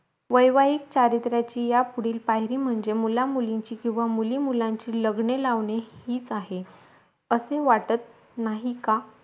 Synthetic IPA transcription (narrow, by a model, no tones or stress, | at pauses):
ʋəjʋaiːk̚t͡ɕaɾit̪ɾjat͡ɕiːjapuɽiːlpaɦɾiːm̤əɳd͡zemulamuliɲt͡ɕiːkĩw̃ʋamuliːmulaɲt͡ɕiːləɡɳelaʋɳehiːt͡saɦe | əseʋaʈət̪̚ | naɦika